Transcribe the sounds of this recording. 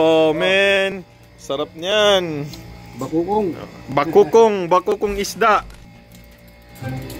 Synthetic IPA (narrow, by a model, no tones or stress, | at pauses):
omɛn | sɐɾap̚ɲan | bakukoŋbakukʊŋɪsd̪aʔ